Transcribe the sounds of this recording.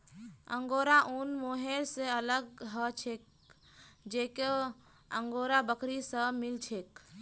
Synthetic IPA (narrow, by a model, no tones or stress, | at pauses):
ə̰ŋɡoɾaʔunmoɦeɾseələɡɦət͡ʃʰek̚ | d͡ʒeke | əŋɡoɾabəkʰɾisə̃milt͡ʃʰek